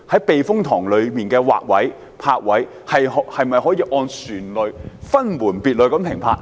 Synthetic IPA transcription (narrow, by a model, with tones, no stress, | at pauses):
hɐ˨˥jpe˨jfʊ˥ŋt̪ʰɔː˨˩ŋlɵ˨˧ɥmiː˨˩nkɛː˧wa̰ː˨k̚wɐ˨˥j | pʰaː˧k̚wɐ˨˥j | hɐ˨jɦhɐ˨jmɐ˨jɦɔː˨˥jiː˧ʔɔː˧nsyː˨˩nlɵ˨˧ɥfɐ˥nmuː˨˩npiː˨t̚lɵ˨˧kɐ˨˥mpʰɪ˨˩ŋpʰaː˧t̚